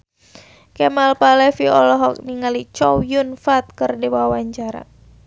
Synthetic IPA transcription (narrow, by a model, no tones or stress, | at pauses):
kɛmalpalɛfiɔlɔɦɔk̚niŋalit͡ʃɔwjunfat̪̚kərdiwawaɲt͡ʃaɾa̰